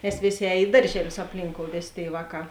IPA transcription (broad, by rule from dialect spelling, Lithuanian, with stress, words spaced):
nʲɛs ˈʋʲeːˌsʲeː ˈɛːj ˈɪ dɐrʲʒʲɛˌlʲʊs ɐpʲˈlʲiːŋkoːʊ ˈʋʲeːˌsʲeː ˈtʲeːɪ ˈʋɑːˌkɑː